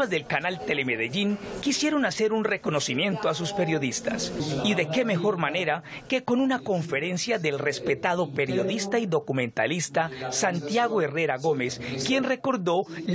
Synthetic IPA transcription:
azd̪e̞lkanalt̪e̞le̞meðeʝiŋkisje̞ɾo̞nase̞ɾunre̞ko̞no̞simje̞nt̪oas̬uspe̞ɾjo̞ðist̪a̰siðe̞ke̞me̞xo̞ɾmane̞ɾake̞ko̞nunako̞ɱfe̞ɾe̞nsjaðe̞lre̞spe̞t̪aðo̞pe̞ɾjo̞ðist̪aiðo̞kumẽ̞nt̪a̰list̪asant̪jaɣoe̞re̞ɾaɣo̞me̞skje̞nre̞ko̞ɾd̪o̞

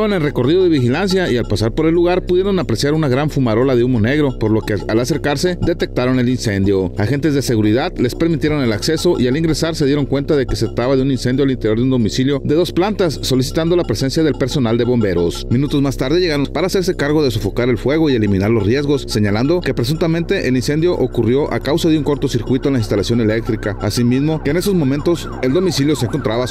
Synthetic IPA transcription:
βanelre̞ko̞riðo̞ðe̞βixilans̬jaialpasaɾpo̞ɾe̞lːuɣaɾpuðje̞ɾo̞napɾe̞sjaɾunaɣɾaɱfumaɾo̞laðeumo̞ne̞ɣɾo̞po̞ɾlo̞kealase̞ɾkaɾse̞ðe̞t̪e̞k̚t̪aɾo̞ne̞linse̞nd̪jo̞axe̞nt̪e̞zðe̞se̞ɣuɾiðaðle̞spe̞ɾmit̪je̞ɾone̞lakse̞so̞ʔialiŋɡɾe̞saɾseð̞jeɾo̞ŋkwe̞nt̪aðe̞ke̞seðɾat̪aβaðeuninse̞nd̪jo̞alint̪e̞ɾjoðeund̪o̞misiljo̞ðe̞ðo̞splant̪asːo̞lis̬i̥t̪and̪o̞lapɾese̞nsjaðe̞lpe̞ɾso̞nald̪eβo̞mbe̞ɾo̞sminut̪o̞zmast̪aɾð̞eʝeɣaɾonpaɾaːse̞ɾse̞kaɾɣo̞ðe̞s̬o̞fo̞kaɾe̞lfwe̞ɣ̞o̞ie̞limĩnaɾlo̞zrje̞zɣosːe̞ɲaland̪o̞ke̞pɾe̞s̬unt̪ament̪e̞ʔelinse̞nd̪jo̞ʔokurjo̞ʔa̰kawsaðeuŋko̞ɾt̪o̞siɾkwit̪oenlainst̪alasjone̞le̞k̚t̪ɾikaːsimizmo̞keːne̞so̞zmõ̞mẽ̞nt̪o̞s | e̞ld̪o̞misiljo̞seŋkont̪ɾaβa

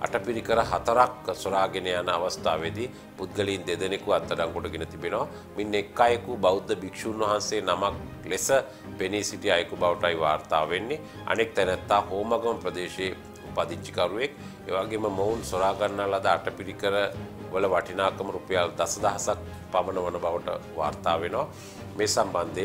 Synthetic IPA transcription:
a̰ʈɐpiɾikəɾəɦat̪ɐɾaksoɾaːɡenejanəaʋɐst̪aːʋed̪i | pud̪̚ɡɐliːnd̪ed̪ənekuat̪ːɐɖaŋkoʈɐɡenət̪ibenoʋa | minːekːaːjəkubaud̪ːəbikʃuːnʋɐɦanseːnamak̚lesə | penisiʈiajkubawʈajʋaːɾt̪aːʋenːe | a̰nek̚t̪ɛnɛt̪ːaːhoːmaɡəmɐpɾəd̪eːʃeː | upad̪iɲt͡ʃi̥kaɾuʋek | ḛʋaːɡeməməunsoɾaːɡanːalad̪əaʈəpiɾikəɾə | ʋələʋaʈʰinaːkɐməɾupɐjald̪asɐd̪aɦasak̚ | paʋɐnəʋɐnəbaʋəʈə̰ʋa̰ːɾt̪aːʋenoʋa | meːsamband̪e

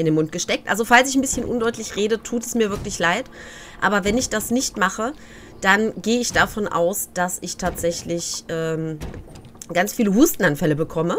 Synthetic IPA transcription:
ʔɪndeːnmʊnt̚ɡ̥əʃtɛk̚tʔa̰lzofalsɪçn̩bɪsçənʔʊ̰ndɔʏtlɪçʁeːdətʰuːtɛsmiːɐvɪɐklɪçlaɪt | ʔa̰ːbɐvɛnɪçd̥asnɪçtmaχə | d̥anɡeːəɪçd̥afɔnʔa̰ʊsd̥asɪçtʰaːtz̥ɛçlɪçʔɛːm | ɡ̥ant͡sfiːləɦuːstn̩anfɛləbəkʰɔmə

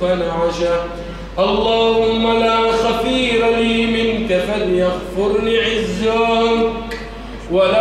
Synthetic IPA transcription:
anaʕaʃaː | ʔɑlˤːɑːhʊmːalaːxat̪iːɾaliːmɪnkafanjaɣfʊɾnɪʕɪzːaːk | waʔa

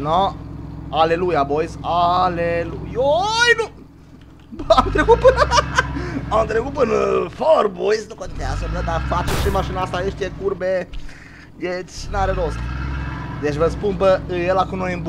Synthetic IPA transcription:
no | ale̞lujabojsalelujojnu | bamt̪ɾekut̪̚pɨnəa | amt̪ɾekut̪̚pɨnforbojsnukot̪ineazəməd̪afat͡ʃeʃimaʃinast̪aniʃt̪ekurbe | jesʲnaɾed̪ost̪ | d̪et͡ʃʲvəspunpəjelakumnojɨmb

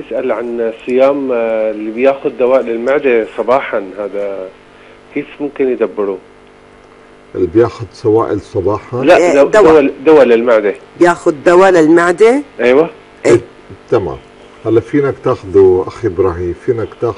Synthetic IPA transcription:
bjɪsʔalʕansˤɨjaːmlːibjaːxʊd̪ːawaːʔlɪlmaʕd̪esˤɑbɑːħɑnhaːd̪a | keːfmʊmkɪnjɪd̪abːɪɾu | ʔɪlbjaːxʊd̪sawaːʔɪlsˤɑbɑːħɑlaadd̪awwd̪awalɪlmaʕd̪ebjaːxʊd̪ːawalɪlmaʕd̪eʔajwa | ʔ | t̪ama̰ːm | halːafiːnakt̪aːxʊd̪uʔaxibɾˤɑʕifiːnakt̪aːx

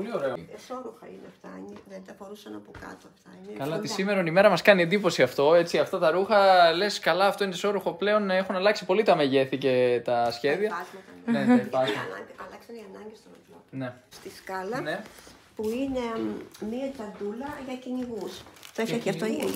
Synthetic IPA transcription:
olio̞ɾe̞osoɾuxɐineft̪ɐɲiðet̪ɐfo̞ɾusɐnɐpukɐ̰t̪oɐft̪ɐɲikɐlɐt̪isime̞ɾonime̞ɾɐmɐskɐniend̪ipo̞siɐft̪o̞e̞t͡siɐft̪ɐt̪ɐɾuxɐle̞skɐlɐːft̪o̞ineso̞ɾuxo̞ple̞o̞ne̞xunɐlɐksi̥po̞lit̪ɐmeʝe̞θice̞t̪ɐsçe̞ðiɐɐzmɐt̪ɐneeɐzmɐnɐʔɐlɐksɐniɐnɐɲɟest̪omɐtlonest̪iskɐlɐne | puinemiɐt͡s̪ɐnd̪ulɐʝɐciɲiɣust̪ɾefɐiɐftoi

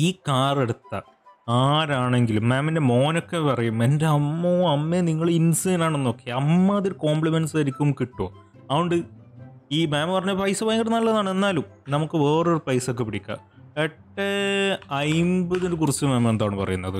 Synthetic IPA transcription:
iːkaːreɽut̪ːɐ̰ | aːɾaːɳe̞ŋɡilumːeːminde̞mo̞ːnokːepɐrɐjumendeɐmːoːɐmːeniŋːɐɭinseːnaːɳenːoːkːeɐmːɐɐðoɾuko̞ːmbɭimensɐɾikʲːumkiʈːoː | ɐʋoɳɖɨ | iːmeːmɐpɐrɐɲːɐpɐjsɐpɐːjɐŋɡkiʈnːɐlːɐðaːɳe̞nːaːlumnɐmukːɨʋe̞ːroɾupɐjsok̬ːepiɽikʲːɐ̰eʈːeɐjmbɐðiɾukurut͡ɕːɨmeːmend̪aːɳɨpɐ̰rɐ̰junːɐðɨ

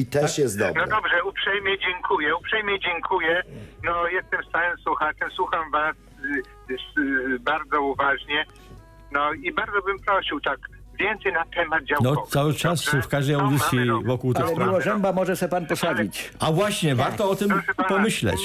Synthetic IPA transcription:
it̪ɛʂjɛzd̪a̰nɔd̪ɔbʐɛupʂɛjmʲjɛd͡ʑɛŋkʰujɛupʂɛjmʲjɛjd͡ʑɛŋkʰujɛnɔjɛst̪ɛmst̪awɨmswuxat͡ʂɛmswuxamvas | sbaɾd̪zɔuvaʐɲɛ | nɔibaɾd̪zɔbɘmpɾɔɕiwt̪ak | vʲjɛnt̪sɛjnat̪ɛmad̪̚d͡ʑawnɔɔt̪sawɘt͡ʂasfkaʐd̪ɛjawd̪ɪt̪ʲjivɔkuwt̪ɪxɛpɾiwɔʐɛmbamɔʐɛɕɛpanpɔsad͡ʑit͡ɕavwaɕɲɛvaɾt̪ɔɔt̪ɘmɛapɔmɘɕlɛ̰t͡ɕ

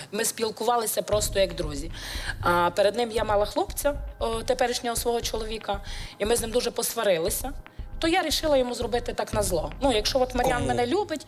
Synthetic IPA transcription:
mɪspʲilˠkʊʋɑlˠɪsʲɐpɾɔst̪ɔjɐɡd̪ɾuzʲiapeɾed̪nɪmjamɑlˠɐxlˠupt͡sʲɐt̪epɛɾɪʃnʲɔɦɔsʋɔɦɔt͡ʃɔlˠɔʋʲikɐimɪznɪmd̪uʒɛpɔsʋɐɾɪlˠɪsʲɐt̪ɔjaɾʲiʃɪlˠɐjɔmuzrɔbɪt̪ɪt̪ɑknɐzlˠɔnujɐkʃt͡ʃɔɔt̪mɐɾʲjanmɛnɛlʲubɪtʲ

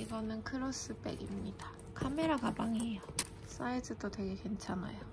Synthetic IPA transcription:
iɡʌnɯnkʰɯɾos͈ɯp͈ḛɡḭmɲid̥a | kʰameɾaɡabaŋiejo | s͈aisʰɯt͈otwe̞ɡe̞kwe̞nt͡ɕʰana̰jo

